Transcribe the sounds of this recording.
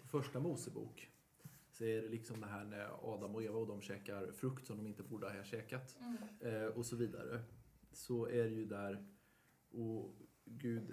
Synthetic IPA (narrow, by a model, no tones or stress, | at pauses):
fœʂʈamuːsəbṵːk | sɔɛɾɛlɪksɔmd̪ɛɦæːmɛ̰ɑ̰ːd̪amɔeːvaɔd̪ɔmɕɛːkaɾfɾɵkt̪sɔmd̪ɔmɪnt̪əvuːɖəɛɕɛːkat̪ | ɔsɔviːd̪a̰ɾə̰sɔæɖɛjɵd̪æɾ | ʔɔ | ɡʉ̟ːd̪